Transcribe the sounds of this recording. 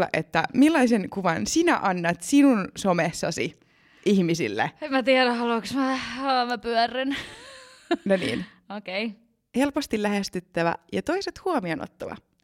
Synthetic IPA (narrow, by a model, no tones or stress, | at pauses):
lːɑ̰ʔet̪ːæ̰milːɑisenkuʋɑnsinæʔɑnːɑt̪sinunsomesːɑ̰sḭ | ʔihmisḭlːḛemmæt̪iɛɾæhɑloksmæɑmæpyœren | nonḭːn | okei | he̞lpost̪ilæhest̪yt̪ːæʋæ̰jɑt̪o̞iset̪huomiono̰t̪ːɑʋɑ̰